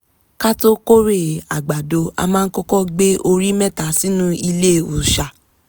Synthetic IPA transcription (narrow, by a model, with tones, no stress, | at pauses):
ka˦to˦ko˦ɾe˦˨a˨ɡ͡ba˨do˨˦a̰˧mãː˦˧n̩˦kɔ˦kɔ˦ɡ͡be˦ʔo˧ɾi˦mɛ̃˦˨ta˨˦sĩ˨˦nũ˦i˧le˦˨u˨ʃa˨